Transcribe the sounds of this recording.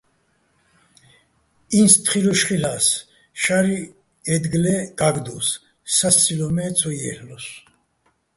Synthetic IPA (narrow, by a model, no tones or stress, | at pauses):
inst̪ʰχiɾɔʃχilas | ʃaɾi | ɛd̪ɡlɛɡ̥aɡd̪usː | ast͡sʰʼilɔmɛt͡sʼʰɔjɛhlɔs